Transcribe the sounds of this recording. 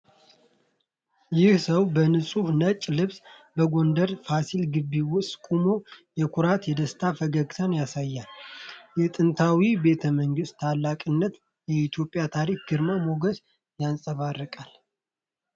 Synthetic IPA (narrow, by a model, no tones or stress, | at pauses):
jɪhsəwbənɨsʼuhnət͡ʃʼːlɨβsbəɡo̞nd̪əɾfasilɡɨbːiwʊst̪ʼkʼumo̞jɛkʷʰuɾat̪jɛd̪əst̪ʰafəɡəɡsʰanjasajːaljɛt̪ʼɨnt̪ʰawibe̞t̪ʰəməŋɡɨst̪t̪ʰalːakʼɨnːət̪ | jɛit̪ʰjo̞pʼːjat̪ʰaɾik̚ɡ̥ɨɾmamo̞ɡəs | jansʼəβarːəkʼal